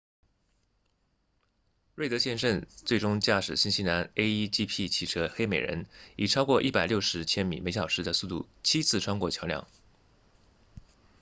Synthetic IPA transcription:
we˥˩ɪt̪ɤ˧˥ɕjɛ˥˧nʂə˥˧nt͡swe˥˩ɪʈ͡ʂʊ˥ŋt͡ɕja˥˩ʂɻ̩˨˩ɕi˥nɕi˥na˧˥ne˥ɪi˥t͡ɕi˥pʰi˥˩t͡ɕʰi˨˥˩ʈ͡ʂʰɤ˥xe˥ɪme˨˩ɪɻə̰˧˥ni˨˩ʈ͡ʂʰɑ˥ʊkwɔ˥˧ʔi˥˩pa˨˩ɪljo˥˩ʊʂɻ̩˧˥t͡ɕʰjɛ˥nmḭ˨˩me˧˥ɪɕjɑ˨˩ʊʂɻ̩˧˥d̪ə˧su˥˧t̪ṵ˥˩ | t͡ɕʰi˥t͡sʰɹ̩˥˩ʈ͡ʂʰwa˥ŋkwɔ˥˩t͡ɕʰjɑ˧˥ʊljɑ̰˥˩˦ŋ

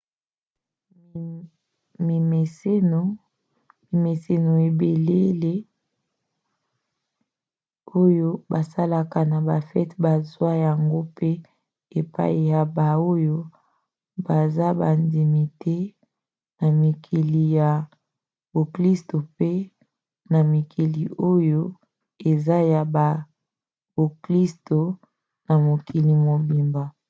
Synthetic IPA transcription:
mi˨me˨se˦no˨ | mi˨me˨se˨no˨e˨be˨le˦le˦ | o˦jo˦ba˨sa˦la˨ka˨na˨ba˨fɛ˦tba˨zwa˦ja˨ŋɡo˦pe˦ | e˨pa̰˦i˨ja˨ba˨o˦jo˦ | ba˨za˦ba˨ndi˨mi˨te˦ | na˨mi˨kʰi˨li˨ja˨ | b̥o˨kli˦sto˨pe˦ | na˨mi˨kʰi˨li˨o˦jo˦ | e˨za˦ja˨ba˨ | b̥o˨kli˦sto˨ | na˨mo˨ki˨li˨mo˨bi˨mba˨

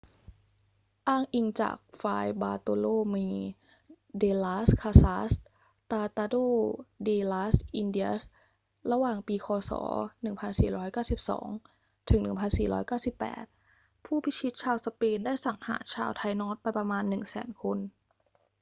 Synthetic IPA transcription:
ʔaː˧˩ŋʔi˧ŋt͡ɕa̰ː˨˩k̚faː˧jbaː˧t̪o˧loː˥˩miː˧˩ | deː˧laː˦˥skʰaː˧saː˦˥s | t̪aː˧t̪aː˧doː˥˩deː˧laː˦˥sʔi˧ndi˧˥ə˧s | ɾa˧waː˨˩ŋpiː˧kʰɔː˧sɔ̰ː˩˦nɯ˨˩ŋpʰa˧nsiː˨˩ɾɔː˦˥jkaː˥˩wsi˨˩p̚sɔ̰ː˩˦ŋ | t̪ʰɯ˨˩˦ŋnɯ˨˩pʰa˧nsiː˨˩ɾɔ̰ː˦˥jkaː˥˩wsi˨˩pːɛ̰ː˨˩t̪̚ | pʰuː˥˩bʰi˦˥t͡ɕʰi˦˥t̪̚t͡ɕʰaː˧wsa˧peː˧ndaː˥˩jsa˨˩ŋha̰ː˩˦t͡ɕʰaː˧wt̪ʰaː˧jnɔː˦˥t̪̚pa˧jpɾa˧maː˧nːɯ˨˩ŋsɛ̰ː˩˦nkʰo˧n

